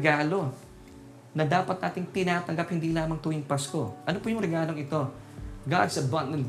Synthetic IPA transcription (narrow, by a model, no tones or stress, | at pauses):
ɡaːlo̞ | nɐd̪aːpɐt̪̚naːt̪ɪŋt̪ɪnaːt̪ɐŋɡap̚hɪnd̪iːlaːmɐŋt̪uːɪŋpasko̞ʔɐnopujʊŋɾɛɡaːlo̞ŋɪt̪o̞ | ɡa̰d̪sɐbɐn̚nɐl